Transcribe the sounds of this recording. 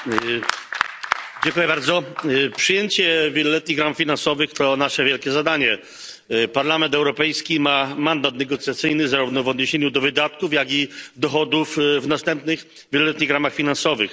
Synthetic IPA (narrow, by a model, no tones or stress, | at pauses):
d͡ʑeɛŋkujɛbaɾd̪zɔpʂɘjeɲt͡ɕɛvʲjɛlɔlɛt̪̚ɲiɣɾamfʲinansɔvɘxt̪ɔnaʂɛvʲjɛlkʲɛzad̪aɲɛ | paɾlamɛnt̪ɛwɾɔpɛjskʲimamand̪at̪nɛɡɔt̪sʲjat̪sɘjnɘzaɾuvnɔvɔd̪ɲeɕeɲud̪ɔvɘd̪at̪̚kufjaɡid̪ɔxɔd̪ufvnast̪ɛmpnɘx | vʲɛlɔlɛt̪ɲiɣɾamaxfʲinansɔvɘx